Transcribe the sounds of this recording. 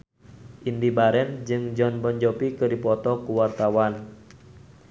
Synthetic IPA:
ʔindibaɾɛnd͡ʒɨŋd͡ʒɔnbɔɲd͡ʒɔpikədipɔt̪ɔkuwart̪awan

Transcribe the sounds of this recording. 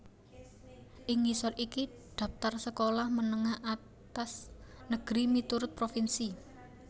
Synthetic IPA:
ʔɪŋisɔriki | d̪̥a̤ft̪arsəkolahmənəŋahʔa | t̪asnəɡ̥ɾimit̪uɾʊt̪̚pɾofinsi

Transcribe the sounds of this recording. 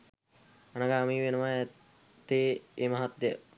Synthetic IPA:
anaɡaːmiːʋenəʋa | t̪eːemaɦat̪jə

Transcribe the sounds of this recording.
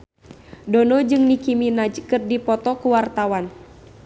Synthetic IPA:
dɔnɔd͡ʒɨŋnikiminad͡ʒkɨrdipɔt̪ɔkuwart̪awan

